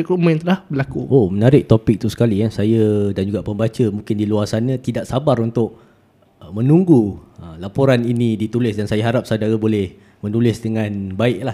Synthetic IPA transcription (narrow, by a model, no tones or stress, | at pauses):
kumə̃nt̪əlahbəlakuʔomənaɾɪk̚t̪opɪk̚t̪usə̥kalikasajədand͡ʒuɡaʔpəmbat͡ʃəmũŋkɪndiluarsanɲə̃t̪idaʔsabaɾunt̪ʊʔ̚ | əmənuŋɡuəlapoɾaninĩdit̪ulɪsdansajaɦaɾap̚sadaɾəbolɛh | mənulɪsdəŋãnbaɪʔ̚lah